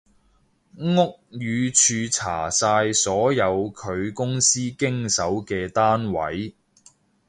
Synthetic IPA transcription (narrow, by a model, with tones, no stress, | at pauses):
ŋʊ˥k̚jyː˨˧t͡ʃʰyː˧t͡sʰa̰ː˨˩saː˧jsɔː˨˥jɐ˨˧wkʰɵ˨˧ɥkʊ˥ŋsiː˥kɪ˥ŋsɐ˨˥wkɛː˧t̪aː˥nwɐ̰˨˥j